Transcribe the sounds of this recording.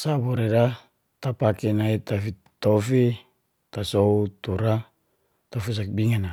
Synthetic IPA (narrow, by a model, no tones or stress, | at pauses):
saboɾeda | t̪apakenait̪afi | t̪ofi | t̪asout̪uɾa | t̪ofis̬ak̚biŋana